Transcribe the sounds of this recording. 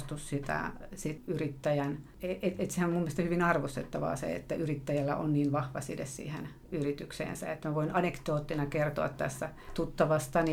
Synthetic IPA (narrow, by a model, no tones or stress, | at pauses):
st̪ussit̪æ̰sit̪yrit̪ːæjæn | eʔeet̪sehænomumːest̪ɑhyʋinɑrʋost̪et̪ːɑʋɑ̰ːsḛḛt̪ːæʔyrit̪ːæjælːæʔonniːnʋɑhʋɑ̰sit̪ḛssḭːhḛn | yrit̪yksḛːnsæ̰et̪ːmæʋoinɑnekt̪oːt̪ːinɑkert̪oɑ̰t̪t̪æ̰sːæt̪ut̪ːɑʋɑst̪ɑni